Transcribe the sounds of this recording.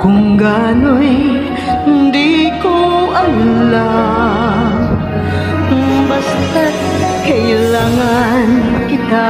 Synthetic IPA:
kʊŋɡanoj | nd̪ikoʔɐnla | bas | t̪ɐt̪̚ | hɐjlaːŋɐnkɪt̪a

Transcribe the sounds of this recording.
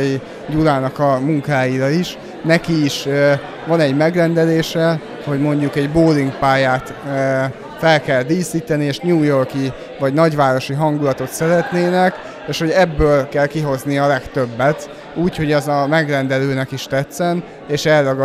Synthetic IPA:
i | d̪ulaːnɒkɒmuŋkaːjiɾɒiʃ | nɛkiːʃ | vɒnɛɟmɛɡrɛnd̪ɛleːʃɛ | ho̞ɟmo̞ɲɟukɛɟboːliŋɡpaːjaːt̪ː | fɛlkɛld̪iːsiːt̪ɛnieːʃɲuːjo̞rki | vɒɟnɒɟʋaːɾo̞ʃiɦɒŋɡulɒt̪o̞t̪sɛɾɛt̪neːnɛk | eːʃho̞ɟɛbːøːlkɛlkiɦo̞zniɒlɛkt̪ø̞bːɛt̪ | uːcho̞ɟɛzɒmɛɡrɛnd̪ɛløːnɛkiʃt̪ɛt̪sɛn | eːʃɛrːɒɡ

